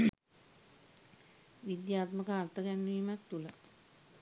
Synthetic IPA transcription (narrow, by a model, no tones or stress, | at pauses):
ʋid̪jaːt̪məkəːrt̪əɡænːuimak̚t̪ula